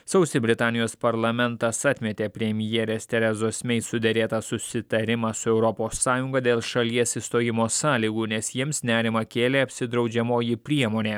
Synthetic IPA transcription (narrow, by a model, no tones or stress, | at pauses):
sɐʊsʲɪbʲɾʲɪt̪ɑːnʲɪjoːspɐɾlˠɐmʲɛnt̪ɐsɐt̪ʲmʲɛt̪ʲeːpʲɾʲɛmʲjɛːɾʲeːst̪ʲɛɾʲɛzoːsʲmʲɛɪsʊd̪ʲɛɾʲeːt̪ɐsʊsʲɪt̪ɐɾʲɪmɑsʊɛʊɾɔpoːsːɑːjʊŋɡɐd̪ʲeːlˠʃɐlʲiɛsist̪oːjɪmoːsɑːlʲiːɡuːnʲɛsjiɛmsnʲæːɾʲɪmɐkʲeːlʲeːɐpʲsʲɪd̪ɾɒʊd͡ʒʲɛmoːjɪpʲɾʲiɛmoːnʲeː